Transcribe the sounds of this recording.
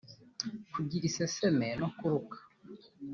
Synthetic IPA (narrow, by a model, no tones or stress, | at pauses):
kuɟiɾisesemenokuɾukḁ